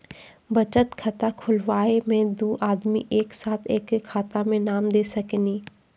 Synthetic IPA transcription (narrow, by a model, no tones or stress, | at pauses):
bɐt͡ʃət̪kʰɐt̪akʰʊlʋaːemẽd̪uːʔaːd̪mḭʔeːksaːt̪ʰeːkkʰːaːt̪amẽnaːmd̪eːsɐkniː